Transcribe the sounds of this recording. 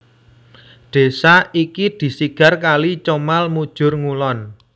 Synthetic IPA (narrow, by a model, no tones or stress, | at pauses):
d̪̥e̤saikid̪̥i̤siɡ̥a̤rkalit͡ʃomalmud̥ʒ̥ʊ̤rŋulɔn